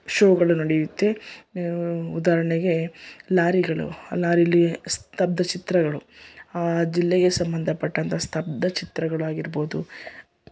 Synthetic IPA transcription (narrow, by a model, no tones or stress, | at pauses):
ʃoːɡɐɭunɐɽijut̪ːe | ud̪aːɾɐɳɛɡe̞laːɾiɡɐɭṵlaːɾilːist̪ʰɐp̚d̪ɐt͡ʃit̪ɾɐɡɐɭuaːd͡ʒilːeɡe̞sɐmbɐnd̪ʱɐpɐʈːɐnt̪ʰɐst̪ʰɐp̚d̪ɐt͡ʃit̪ɾɐɡɐɭuaːɡiɾbo̞ːd̪u